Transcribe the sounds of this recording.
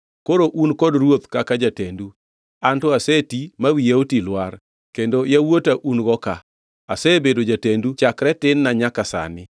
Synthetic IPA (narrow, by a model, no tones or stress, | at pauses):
koɾoʔunkɔdɾwot̪kakad͡ʒatendu | antɔasetimawijeotilwar | kendojawotaʔunɡɔka | asɛbedod͡ʒatendut͡ʃakɾɛtɪnːaɲakasa̰nɪ